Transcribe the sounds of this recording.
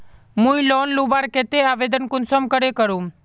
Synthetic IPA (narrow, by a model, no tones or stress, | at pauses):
mũĩloːnluːbaːɾket̪eaːʋeːd̪ənkʊnsomkəɾekəɾũ